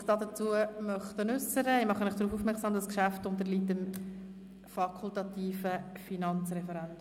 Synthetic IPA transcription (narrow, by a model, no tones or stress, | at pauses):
χd̥ɑːdət͡suəmœχt̪ənʉsəɾəɪmɑχənɪχd̥ɾuːfuːfmɛɾksɑːmd̪ɑskʃæftʊnt̪əɾliːtəm | fɑkʰultɑt̪iːfə | finɑnt͡srɛfɛɾɛnd